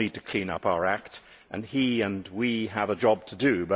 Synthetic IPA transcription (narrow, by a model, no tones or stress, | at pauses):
id̚tʰɨkʰl̥ĩnʌ̰paʊə˞æk̚t | ʔɨ̰̃niɨ̃nwiəvəd͡ʒɑb̚tʰɨdɨbʌ